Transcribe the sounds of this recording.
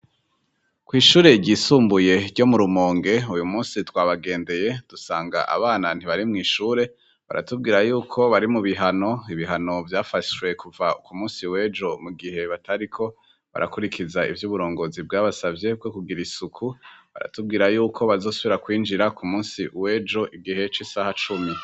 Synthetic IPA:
kwiːʃuːɾe̞ɟiːsuːmbuje̞ɾɟo̞muɾumoːŋɡe̞ujumuːnsitwaːβaɡe̞ːnde̞je̞d̥usaːŋɡa̰ʔa̰βaːnan̥iβaɾimŋiːʃuːɾe̞ | βa̰ɾa̰tub̚ɡiːɾajuːkʰo̞βaɾimuβiɦano̞iβiɦano̞vjaːfaʃwe̞kuvaukumuːnsiwe̞ːd͡ʒo̞muɡiɦe̞βatʰaɾikʰo̞ | βa̰ɾa̰kuɾikʰizaḭvjuːβuɾo̞ːŋɡo̞zibɡaːβasavje̞b̚ɡokuɡiɾisukʰuβa̰ɾa̰tub̚ɡiːɾajuːkʰo̞βazo̞ːsuβiɾakwiːnd͡ʒiɾakʰumuːnsiwe̞ːd͡ʒo̞ʔiɡiɦe̞t͡ʃisahat͡ʃumi

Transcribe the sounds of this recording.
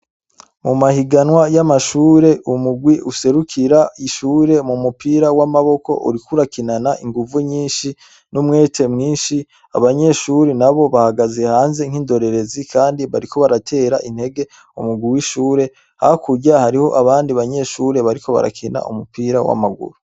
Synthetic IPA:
mumahiɡanwajamaʃuːɾe̞ʔumuɡwiʔuse̞ɾukʰiɾaiʃuːɾe̞mumupiːɾawamaβo̞ko̞̰ʔṵɾikuɾakinanaʔiŋɡuvuɲiːnʃi | numŋe̞ːtʰe̞mŋiːnʃi | a̰βaɲe̞ʃuːɾenaβo̞βahaɡaze̞haːnze̞ŋ̥hiːndo̞ɾe̞ɾe̞zikʰaːndiβaɾiko̞βaɾatʰe̞ːɾaʔinhe̞ɡe̞ | umuɡwiwiʃuːɾe̞ | hakʰuɟahaɾiho̞̰ʔaβaːndiβaɲe̞ʃuːɾe̞βaɾikʰo̞βa̰ɾa̰kʰina̰ʔṵmupiːɾawa̰maɡṵɾu

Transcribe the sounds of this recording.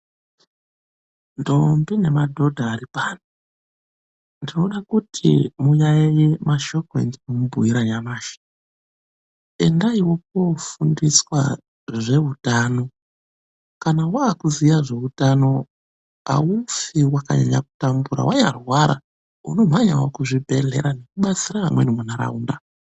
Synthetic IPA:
ndombine̞madʱo̞dʱaːɾipaːno | ndino̞ɗakutʰḭmujajajemaʃo̞koḛndinomubʱujiɾaɲamaːʃḁ | e̞ndaiwo̞p̚o̞fundiswa | ʐe̞utano̞ | kanawaːkuzijaʐe̞utano̞ | a̰umfiwaka̰ɲa̰ɲa̰ku̥tambuɾa̰wʔaɲarwaɾa̰ | uno̞m̤aɲa̰wokuʐibʱe̞ɮe̞̰ɾane̞kuɓat͡siɾaamwenemunaɾa̰uːnda

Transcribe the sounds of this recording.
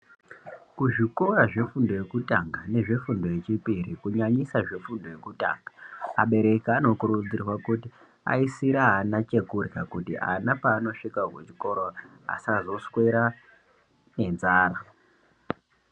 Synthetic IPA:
kuʐiko̞raʐe̞fundo̞je̞kutaŋɡane̞ʐe̞fundo̞jet͡ʃipirikuɲaɲisaʐe̞fundo̞je̞kuta̰ːŋɡaa̰ɓe̞ɾe̞kiano̞kuɾud͡zirwakuti | a̰isiɾaanat͡ʃe̞kurkakutḭʔa̰napaːno̞ʂikakwḛt͡ʃi̥ko̞ɾo | a̰sazo̞swe̞ɾa | ne̞nzaːɾa

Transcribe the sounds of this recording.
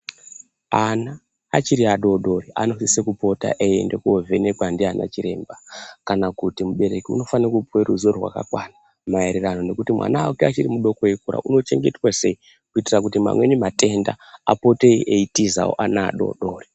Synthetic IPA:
anaː | t͡ʃiɾiaɗo̞ɗo̞riʔano̞sisekupo̞ta̰ʔejende̞kuo̞vʱe̞ne̞kwandiana̰t͡ʃiɾe̞ːmbakanakutimuɓe̞ɾe̞kiṵno̞fankupweruzorwa̰ka̰kwana | maeɾerano̞ne̞kutimwa̰naːkeat͡ʃiɾimuɗo̞koekuɾa̰ʔuno̞t͡ʃe̞ŋɡe̞twase̞i | kuitirak̬utima̰mwe̞ɲemate̞nda̰ | apo̞te̞iʔeitiza̰wo̰ʔana̰ːɗo̞̰ɗo̞ːri

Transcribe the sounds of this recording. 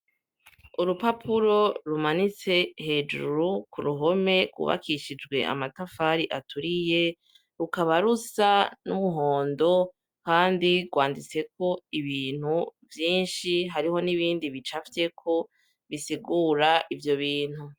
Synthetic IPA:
uɾupapʰuɾo̞ɾumanit͡se̞he̞ːd͡ʒṵɾukuɾuɦo̞me̞ɡwṵβa̰kʰiʃid͡ʒɡwe̞ʔa̰matafaɾiʔatuɾije̞ | ɾukaβaɾusanuβuɦo̞ːndo̞ | kaːndiɡɡwaːndit͡se̞ko̞iβiːn̥huvjiːnʃiɦaɾiho̞niβiːndiβit͡ʃafte̞kʰo̞ | βisiɡuɾaivjo̞βiːn̥hu

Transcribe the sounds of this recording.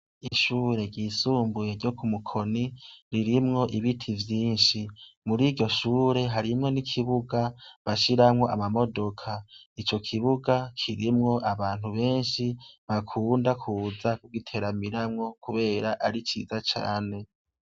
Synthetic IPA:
iʃuːɾe̞ɟiːsuːmbuje̞ɾɟo̞kʰumukʰo̞niɾiɾimŋo̞ʔiβitʰivjiːnʃimuɾiɟɟo̞ʃuːɾe̞ɦaɾimŋo̞nikʰiβuɡaβaʃiɾamŋo̞ʔa̰mamo̞do̞kʰait͡ʃo̞kʰiβuɡakʰiɾimŋo̞ʔaβaːn̥huβe̞ːnʃiβakʰuːndakʰuːzakuɡitʰe̞ɾamiɾamŋo̞kuβe̞ːɾaʔaɾit͡ʃḭːzat͡ʃa̰ːne̞

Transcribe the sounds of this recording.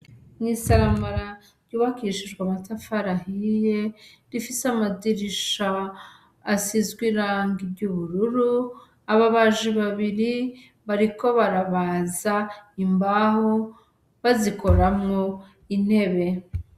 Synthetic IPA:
mŋisaɾamaɾa | ɾɟuːβakiʃiʒɡwamatafaɾahije | ɾifiseamadiɾiʃaː | sizɡwiɾaːŋɡibɟuβuɾuɾu | aβaβaʒiβaβiɾi | βaɾiko̞βaɾaβazaimbaho | βaziko̞ɾamŋo | in̥he̞βe̞

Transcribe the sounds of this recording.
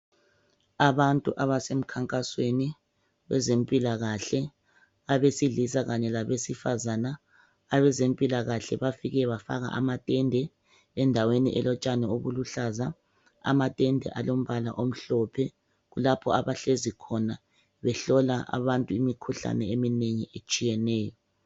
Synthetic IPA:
aβantʼuʔaβasem̩kʰaŋkʼasweni | wɛ̰zempʼilaɣaɬɛ | aβesiɮisaɣaɲɛlaβesifazanaː | βɛzempʼilaɣaɬɛ̰βafiɣɛβafa̰ɣa̰ʔa̰matʼɛndʱɛ | ɛndʱaweniʔɛlɔt͡ʃʼanɛoβuluɬaza | a̰matʼɛndʱɛ̰ʔalom̩βala̰ʔom̩ɬɔpʰɛ | ɣulapʰɔ̰aβaɬezikʰɔna | βɛɬɔlaʔa̰βantʼuimikʰuɬa̰nɛemineɲiʔet͡ʃʼijɛnɛːjɔ

